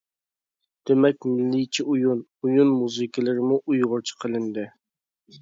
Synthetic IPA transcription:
d̪̥emɛkʲmɪlːit͡ʃʰiʔujunujunmuzɨkʲʰəlɪɾɪmuʔujʁʊɾt͡ʃʰi̥qʰəlˠɪnd̪ɪ

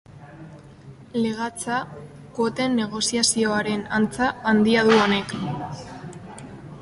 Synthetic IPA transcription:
le̞ɣ̞at͡sa | ko̞t̪e̞nːe̞ɣ̞o̞siasio̞aɾe̞nant͡saand̪iaðuo̞ne̞k

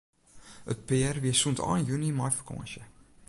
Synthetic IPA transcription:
ə̰t̚peærviəsːuntɑ̰ːnjʉnimɐjfə̥kɑ̰̃ːnʃə

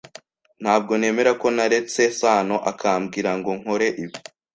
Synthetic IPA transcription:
n̥haːb̚ɡo̞ne̞ːme̞ɾako̞naɾe̞t͡se̞saːno̞ʔakʰaːmɡiːɾaŋɡo̞ŋ̥ho̞ɾe̞ʔiβi̥

